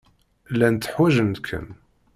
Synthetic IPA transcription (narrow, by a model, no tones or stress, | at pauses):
lːænt̪ːəħwæʒənd̪kʰːə̰n